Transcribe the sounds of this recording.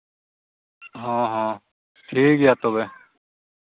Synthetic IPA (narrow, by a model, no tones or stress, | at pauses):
ɦɔ̃ːɦɔ̃ː | ʈʰiːkjaːt̪oːbe